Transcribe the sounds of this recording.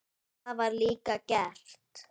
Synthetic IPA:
avaɾliːkakɛɬt̪

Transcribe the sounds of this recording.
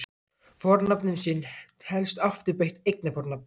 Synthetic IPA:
fɔɾnapnʏmsɪnhɛlst̪aft̪ɪɾpejht̪ejknɪfɔɾnap̚n

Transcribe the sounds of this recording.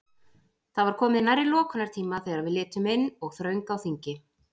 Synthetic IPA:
θavaɾ̥kʰɔːmɪðɪnajɾːɪlɔːkʰʏnaɾt̪ʰiːmaθɛːɣɾaðvɪðlɪːt̪ʏmɪnːɔɣθɾœɥŋkawθiɲcɪ

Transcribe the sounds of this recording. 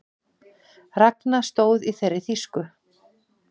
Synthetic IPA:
rɛknast̪oːwðiθejɾːɪθiskʏ

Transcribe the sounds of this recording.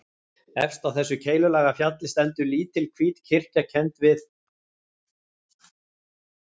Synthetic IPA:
ɛ̰fst̪awθɛsːʏcʰeːjlʏlaːɣafjat̪lɪst̪ɛnt̪ʏliːt̪ʰɪlkʰviːt̪cʰɪr̥cacʰɛnt̪vɪθ

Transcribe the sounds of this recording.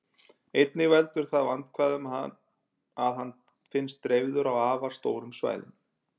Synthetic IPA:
ejt̪̚nɪvɛlt̪ʏɾ̥θaðvant̪kʰvaːðʏmɦa̰n | aðɦanː | fɪnst̪ːɾejvðʏɾawaːvḁst̪oːwɾʏmsva̰ːjðɪ̰m

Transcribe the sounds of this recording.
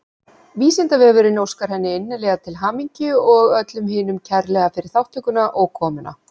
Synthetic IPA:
viːsɪnt̪avɛɣvɛɾʏnowskaɾ̥hɛnːɪɪnːɪlɛːɣat̪ʰɪlɦaːmiɲcʏɔɣœt̪lʏmɦɪːnʏmcʰɛɾlɛɣafɪɾɪɾ̥θawht̪ʰʏkʏnaʔɔɣkʰɔːmʏna̰

